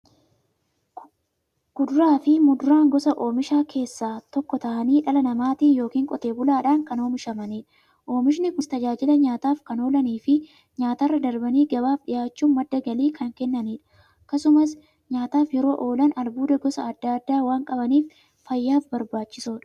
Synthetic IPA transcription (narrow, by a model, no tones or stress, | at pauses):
ɡ̥ʊd̪ʊɾaːfɪmʊd̪ʊɾaːŋɡɔsɐʔo̞ːmɪʃaːkʰe̞ːsːaːt̪ɔkːɔt̪ɐʔɐniːᶑɐlɐnɐmaːt̪iːnjo̞ːkiːŋkʼɔt̪e̞ːbʊlaːᶑaːŋkɐno̞ːmɪʃɐmɐniːᶑɐ | ʔo̞ːmɪʃ̬nɪkʊst̪ɐd͡ʒaːd͡ʒɪlɐɲaːt̪aːfkɐno̞ːlɐniːfɪ | ɲaːt̪ɐrːɐd̪ɐɾbɐniːɡɐbaːfɗɪjaːt͡ʃːuːnmɐd̪ːɐɡɐliːkʰɐŋkɛnːɐniːᶑɐ̥ | ɐkːɐsʊmɐs | ɲaːt̪aːfjɛɾo̞ːʔo̞ːlɐnɐlbuːd̪ɐɡɔsɐːd̪ːɐɐd̪ːaːwaːŋkʼɐbɐniːf | fɐjːaːfbɐɾbaːt͡ʃːɪsoːᶑɐ